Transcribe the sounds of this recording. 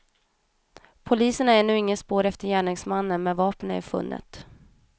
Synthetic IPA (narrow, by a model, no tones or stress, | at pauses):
pʰʊliːsəɳaɛnʉ̟ːɪŋːənspoːɾɛft̪əɾjæːɳɪŋsmanːənmɛvɑːpənæ̰fɵ̰nːʔə̰t̪